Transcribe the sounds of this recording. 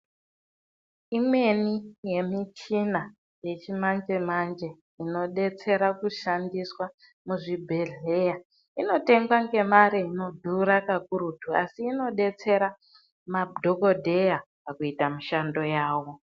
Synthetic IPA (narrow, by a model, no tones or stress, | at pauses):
imwe̞nije̞mit͡ʃina | je̞t͡ʃimand͡ʒe̞mand͡ʒe̞ | ino̞ɗe̞t͡se̞ɾakuʃandiswa | muʐibʱe̞ɮeja | ino̞te̞ŋɡwaŋɡe̞maɾeino̞dʱuɾakakuɾutua̰siːno̞ɗe̞t͡se̞ɾa | madʱoko̞dʱejapakuitamiʃando̞jaːwo̞